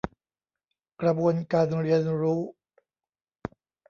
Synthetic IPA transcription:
kɾa˧buː˧ənkaː˧nɾi˧ənɾuː˦˥

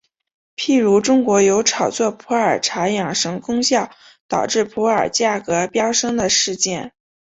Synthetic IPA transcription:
pʰi˥˩ɻu˧˥ʈ͡ʂʊ˥ŋkwɔ˧˥jo˧˥ʊʈ͡ʂʰɑ˨˩ʊt͡swɔ˥˩pʰu˧˥ə˞˨˩ʈ͡ʂʰa˧˥jɑ˨˩ŋʂɤ˧˥ŋkʊ˥ŋɕjɑ˥˩ʊ | t̪ɑ˨˩ʊʈ͡ʂɻ̩˥˩pʰu˧˥ə˞˨˩t͡ɕja˥˩kɤ˧˥pjɑ˥ʊʂɤ˥ŋd̪ə˨ʂɻ̩˥˧t͡ɕjɛ˥˩n

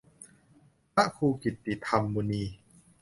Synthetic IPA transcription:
a˦˥ʔkʰuː˧ki˨˩t̪ːi˨˩t̪ʰːa˧mːuː˧niː˧

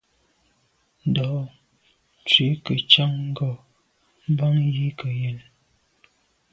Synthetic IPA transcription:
n̩˨dɔ˨ | t͡ʃɥe˨˦kə˨t͡ʃa˦ŋŋ̩˦ɡɔ˨ | m̩˦ba˦ŋji˦kə˨je˨n

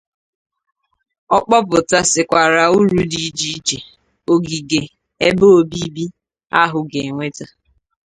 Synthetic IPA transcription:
ɔ˦k͡pɔ˦pʊ˨ta˦sɪ˨kʷa˨ɾa˨u˦ɾu˦di˨˦d͡ʒi˦i˦t͡ʃe˨ | o˨ɡi˨ɡe˨ | e˦bo˦o˦˨bi˦bi˦ | a̰˦ɦʊ˨ɡe˨ŋʷe˦ta˦

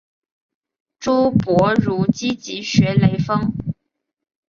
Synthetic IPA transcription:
ʈ͡ʂu˥pwɔ˧˥ɻu˧˥t͡ɕi˥t͡ɕi˧˥ɕɥɛ˧˥le˧˥ɪfɤ˥ŋ

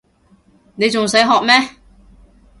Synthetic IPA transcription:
ne˨˧jt͡sʊ˨ŋsɐ˨˥jɦɔː˨k̚mɛː˥

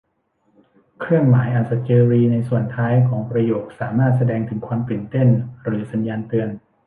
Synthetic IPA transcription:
kʰɾɯ˥˩əŋmaː˩˦jʔa˨˩nsa˨˩t̪̚t͡ɕɤː˧ɾiː˧na˧jsu˨˩ənt̪ʰaː˦˥jkʰɔː˩˦ŋpɾa˧joː˨˩k̚saː˩˦maː˥˩t̪̚sa˧dɛː˧ŋt̪ʰɯ˩˦ŋkʰwaː˧mpɯ˨˩nt̪e˥˩nɾɯː˩˦sa˩˦njaː˧nt̪ɯ˧ən

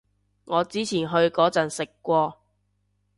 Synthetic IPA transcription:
ŋɔː˨˧t͡siː˨˥t͡sʰiː˨˩nɦɵ˧ɥkɔː˨˥t͡sɐ˨nsɪ˨kːʷɔː˧

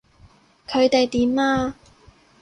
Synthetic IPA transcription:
kʰɵ˨˧ɥt̪e˨jt̪iː˨˥maː˧

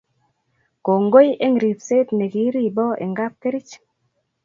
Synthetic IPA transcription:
ko˨ŋɡo˦je˦ŋ˨ɾi˨pse˦t̪ne˨ki˨˦ɾi˦˨bɔ˦ʔḛ˨ŋɡa˦p̚t̪e˦ɾi˦t͡ʃ

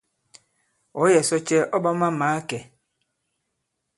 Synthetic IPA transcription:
ɔ˨˦jɛ˨sɔ˦t͡ʃɛ˦ʔɔ˦ba˦ma˦maː˨˦kɛ˨

